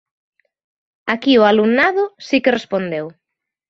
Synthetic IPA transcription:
akiʊalumnaðʊsikerespond̪ew

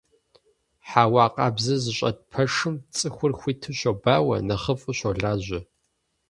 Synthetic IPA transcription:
ħaːwɑːqʼɑːbzɨzɨɕʷʼɐ̰d̚pʰɐʂɨmt͡sʼɨxʷʊrxʷiːtʰɨɕʷɐbaːwɐ̰nɐχəfʼɨɕʷɐɮaːʑʷɪ

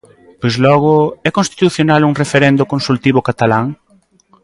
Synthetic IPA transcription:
pojzlɔɣ̞ʊɛkõnst̪i̥t̪uθjonaluŋrefeɾɛnd̪ʊkõnsult̪iβʊkat̪alaŋ

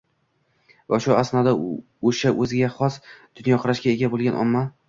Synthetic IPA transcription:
vaʃʊasnɒd̪a | oʃaʔɵzɪɡʲaχɒsd̪̥ʊnjɒqʰʊɾaʃɡʲaeɡʲabolˠɡʲanʔɒ̰mːa

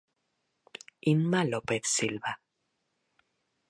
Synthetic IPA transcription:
inmalopeθsilβa

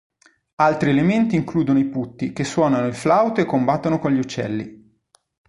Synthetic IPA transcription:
alt̪ɾielement̪iːŋkluːd̪onoiput̪ːikesːwɔːnanoilflawt̪oekːombat̪ːonokolʎiut͡ʃːɛ̰lːi

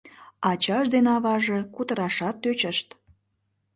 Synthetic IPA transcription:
ɑt͡ɕɑʃd̪enɑβɑʒekut̪əɾɑʃɑt̪ːøt͡ɕəʃt̪

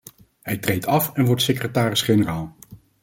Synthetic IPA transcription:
ɦɛjtrejtʰɑfɛnʋɔɹtsekrətaːɾɪsχenəraːlˠ

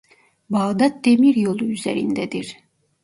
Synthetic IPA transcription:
baːd̪at̪̚d̪emiɾjo̞lˠuyzḛɾḭnd̪ɛd̪iɾ̥

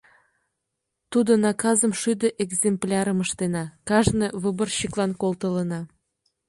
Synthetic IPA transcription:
t̪ud̪ŏnɑkɑzə̆mʃyd̪əʔeɡzʲemplʲɑɾə̆məʃt̪enɑkɑʒneβəbə̆rɕiklˠɑnkolˠt̪ə̆lənɑ

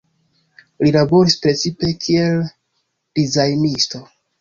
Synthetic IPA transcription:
lilabo̞ɾispɾe̞t͡sipe̞kʰie̞l | d̥izajnisto̞

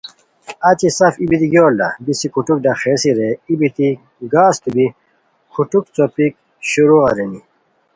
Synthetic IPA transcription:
ɐt͡ɕisɐfibit̪iɡjoːlːɐbisikuʈuk̚ɖɐxeːsiɾeibit̪i | ɡaːst̪ubi | kʰuʈuk̚t͡sopik̚ | ɕuɾuʁɐɾeni

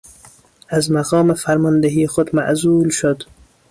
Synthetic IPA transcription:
azmaɣɑːmefaɾmɒnd̪eɦiːxod̪ma̰ʔzulʃod̪

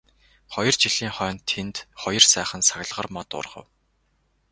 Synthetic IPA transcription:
χɔjɞ̆r̥t͡ɕiɮiːŋχœːnt̪ʰːent̪χɔjɞ̆rsæːχə̆nsaɣ̆ʲɮʁə̆rmɔt̪ʊ̰rʁə̰̆w

